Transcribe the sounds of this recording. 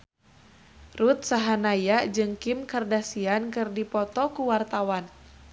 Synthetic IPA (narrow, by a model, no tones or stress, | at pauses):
rut̪̚saɦanajad͡ʒɨŋkimkardasiankɨrdipɔt̪ɔkuwart̪awan